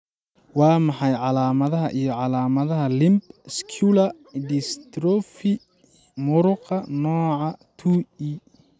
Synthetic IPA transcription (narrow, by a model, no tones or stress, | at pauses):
wɑːmɑħɑjʕɑlaːmɐðɐɦɐʔijɞʕɑlaːmɐðɐɦɐlɪmbskʰulɐ | d̪ist̪ɾɔfi | mʊɾʊqʰɐnɔːʕɑt̪ʰui